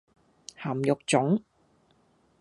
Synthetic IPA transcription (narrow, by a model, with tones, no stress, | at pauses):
haː˨˩mjʊ˨k̚t͡sʊ˨˥ŋ